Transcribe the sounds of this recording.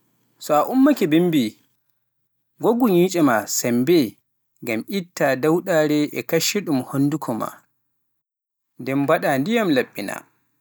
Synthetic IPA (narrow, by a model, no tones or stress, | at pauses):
sɔaʔʊmːakɛbimbi | ɡoɡuɲiːt͡ʃʼɛmasambɛ | ɡamʔitːadawɗaɾɛʔɛkɐʃːɛɗumhondukʰɔma̰ | dɛmbaɗandijamlɐɓːina̰